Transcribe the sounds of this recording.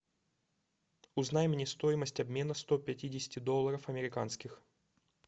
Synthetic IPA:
ʊznajɪmnʲɪst̪o̞jɪməsʲtʲɐbmʲe̞nəst̪opʲɛtʲidʲɪsʲɪ̥tʲɪd̪o̞lˠːəɾəfɐmʲɪɾʲɪkanskʲɪx

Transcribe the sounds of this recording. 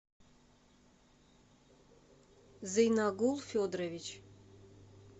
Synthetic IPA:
zɨjnaɡulˠfʲod̪ravʲit͡ʃʰ

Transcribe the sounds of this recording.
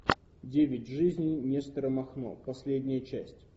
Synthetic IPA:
dʲevʲɪtʲʐɨzʲnʲijnʲest̪ɾəmɐxno̰pɐsʲlʲedʲnʲɪjət͡ɕæsʲtʲ

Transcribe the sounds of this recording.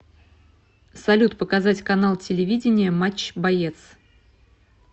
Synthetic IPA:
sɐlʲut̪pəkɐzatʲkɐnalˠtʲɪlʲɪvʲidʲɪnʲɪjəmat͡ɕbɐjet̪s

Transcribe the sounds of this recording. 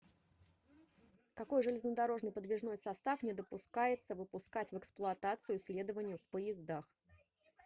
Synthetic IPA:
kɐko̞jʐɨlʲɪznəd̪ɐɾo̞ʐnɨjpəd̪vʲɪʐno̞jsɐst̪afnʲɪd̪əpʊskajɪt̪səvɨpʊskatʲvɛksplˠʊɐt̪at̪sɨjʊsʲlʲe̞d̪əvənʲɪjʊfpəjɪzd̪ax

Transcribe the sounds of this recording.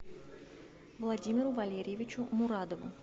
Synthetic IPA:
vlˠadʲimʲɪɾʊvɐlʲeɾʲɪjvʲɪt͡ɕʊmʊɾad̪əvʊ̰

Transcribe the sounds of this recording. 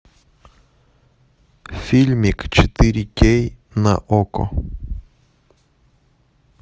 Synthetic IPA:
filʲmikt͡ʃɛt̪iɾʲikʲejnɐ̰ʔoko̰

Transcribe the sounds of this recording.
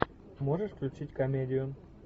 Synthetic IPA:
moʐəʂklʲut͡ɕitʲkɐmʲedʲɪjʊ

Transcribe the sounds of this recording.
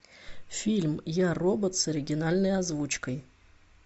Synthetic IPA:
fʲilʲmjarobət̪sɐɾʲɪɡʲɪnalʲnəjɐzvut͡ɕkəj

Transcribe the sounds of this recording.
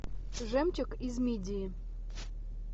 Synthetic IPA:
ʐɛmt͡ɕʲɔkizmʲidʲii

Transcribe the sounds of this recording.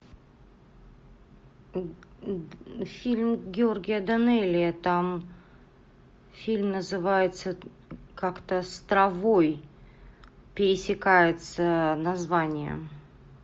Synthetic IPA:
fʲilʲmɡʲɪorɡʲɪjəd̪ɐnɛlʲɪjət̪am | fʲilʲmnəzɨvajɪt̪sə | kakt̪əst̪ɾɐvoj | pʲɪɾʲɪsʲɪkajɪt̪sənɐzvanʲɪjə̰

